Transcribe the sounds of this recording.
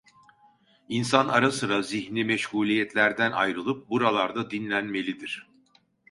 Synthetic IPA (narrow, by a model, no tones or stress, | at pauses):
insanaɾasɯɾaziçnʲimɛʃhuːlʲijɛt̪ʰlʲæɾd̪æna̰jɾɯlˠɯp̚buɾalˠaɾd̪ad̪inlʲænme̞lʲid̪iɾ̥